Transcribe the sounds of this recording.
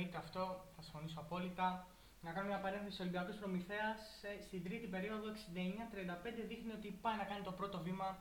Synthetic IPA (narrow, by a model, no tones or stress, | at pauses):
it̪eɐft̪o̞θɐsĩ̥ɱfo̞nisoɐpo̞lit̪ɐ | nɐkɐnumɲɐpɐɾenθesiso̞limbiɐkospɾo̞miθe̞ɐsːt̪id̪ɾit̪ipe̞ɾio̞ðoe̞ksind̪ɐeɲɐt̪ɾiɐnd̪ɐpe̞nd̪e̞ðixnio̞t̪ipɐjnɐkɐnit̪o̞pɾo̞t̪o̞vimɐ